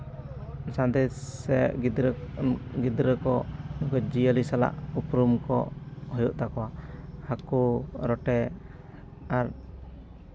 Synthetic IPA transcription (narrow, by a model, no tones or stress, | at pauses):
sãnd̪ɛɛʔid̪ɾ | ɡid̪ɾəkɔnɔɡɔd͡ʒiəlisala̰ʔupɾumkɔ̰hɔjuʔt̪akɔwahakuɾɔʈɛ | aɾ